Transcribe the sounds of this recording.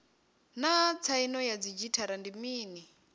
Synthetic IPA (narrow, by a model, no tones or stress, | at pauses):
nat͡sʰainɔjad͡zid͡ʒitʰaɾandimiːni